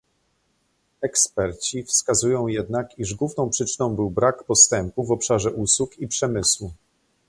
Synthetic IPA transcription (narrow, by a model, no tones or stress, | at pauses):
ɛkspɛɾt͡ɕifskazujɔ̃w̃jɛd̪nakiʐɡwuvnɔ̃w̃pʂɘt͡ʂɘnɔ̃w̃bɘwbɾakpɔst̪ɛmpuvɔpʂaʐɛʔuswukipʂɛmɘswu